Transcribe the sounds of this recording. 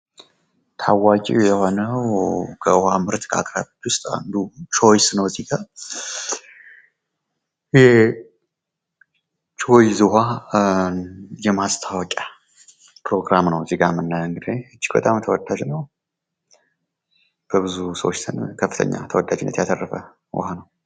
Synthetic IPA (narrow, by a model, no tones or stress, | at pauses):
t̪ʰawat͡ʃʼḭwjɛho̞nəwkʰəɨhamɨɾt̪ʰkʰa̰kʼɾaβit̪wʊst̪ʼa̰nd̪ut͡ʃʰo̞jsnəwziɡa | jɪhe | t͡ʃʰojzɨha | jɛmast̪ʰawɔkʼa | pɾo̞ɡɾamnəwziɡamɨnːaɨŋɡɨd̪eɨd͡ʒːi̥kbə̰t̪ʼamt̪ʰəwɔd̪ːad͡ʒnəw | b̥əbɨzusə̰wot͡ʃːt̪ʰɨnkʰəfːɨ̥t̪ʰə̰ɲːa̰t̪ʰəwɔd̪ːad͡ʒɪnːət̪jatərːəfə̰ | wʊ̰hanəw